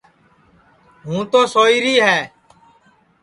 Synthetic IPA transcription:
ɦũːt̪oːsoːiːɾiːɦɛː

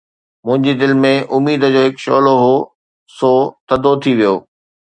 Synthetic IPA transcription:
mʊ̃ɦɪ̃ɲd͡ʑid̪ɪlmẽʊmiːd̪ə̆d͡ʑoːɦɪkʃɔ̰ːloɦoː | soːt̪ɐd̪ot̪ʰiʋijoː

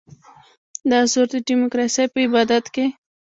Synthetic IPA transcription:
d̪ɑsoɾd̪əɖimokɾɑsejpəɪbɑd̪at̪ke

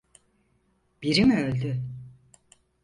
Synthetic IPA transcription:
b̥iɾimølʲd̪y

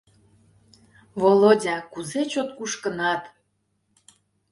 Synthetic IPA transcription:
volodʲɑkuzet͡ɕot̪̚kuʃkənɑt̪

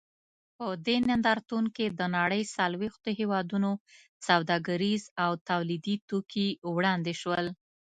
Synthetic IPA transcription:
pəd̪enɪnd̪ɑɾt̪unked̪ənɑɽəjsalwext̪oɦewɑd̪uno | sawd̪ɑɡaɾizawt̪awlid̪it̪okiwɽɑnd̪eʃwəl

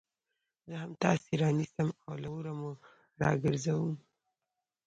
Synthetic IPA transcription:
zəɦamt̪ɑseɾɑnisamawlawuɾamo | ɾɑ̰ɡəɾzawum

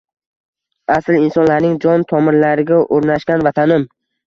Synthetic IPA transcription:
aslɪnsɒnlaɾnɪŋd͡ʒɒnt̪ʰɒmɪɾlaɾɪɡʲaʔoɾnaʃkʲanvat̪ʰanɪm

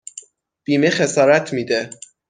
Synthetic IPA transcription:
b̥iːmexe̞sɒːɾæt̪ʰmiːd̪e

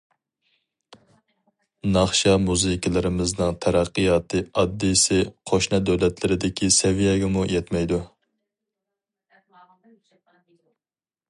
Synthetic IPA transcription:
nɑχʃɑmuzɨkʰʲɪlˠɪɾɪmɪznɨŋt̪ʰæɾæqːɨjɑːt̪ʰɨɑd̪ːisɪqʰoʃnɨd̪ɛwlɛt̪lɪɾɪd̪ɪkʲʰisɛvijɛɡʲɛmujɛt̪mɛjd̪u

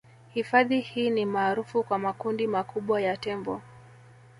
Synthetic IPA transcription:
hifaðihiːnimaːɾufukwamakundimakuɓwajatɛmbɔ

